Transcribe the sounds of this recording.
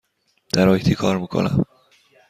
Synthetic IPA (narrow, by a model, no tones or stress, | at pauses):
d̪̥æɾɒjit̪ʰikʰɒːɾmikʰo̰næ̰m